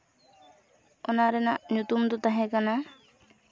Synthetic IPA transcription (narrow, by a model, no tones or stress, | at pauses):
ɔnaɾɛnaʔnut̪umd̪ɔt̪aɦɛ̃kana